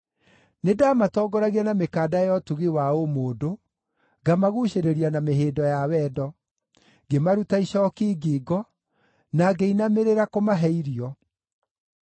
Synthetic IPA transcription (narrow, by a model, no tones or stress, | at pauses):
nedaːmatɔːɡɔɾaɣianamekaːdajɔtuɣiwaomoːdo | ɡamaɣuɕeɾeɾianameɦeːdɔjawɛdɔ | ɡemaɾutaiɕɔkiːɡiːɡɔ | naɡeinameɾeɾakomaɦɛiɾiɔ